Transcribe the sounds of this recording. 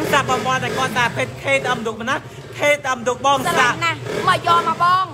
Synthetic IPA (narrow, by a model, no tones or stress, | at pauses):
ŋɗap̚ɓɑmʋŏənɗaɛkŏət̪̚ɗaːpʰeːt̪̚kʰeːt̪əmd̪uːk̚mənɔ | kʰeːt̪ʔəmd̪uək̚ɓɑːŋlanahməjɔːmɔːɓɑːŋ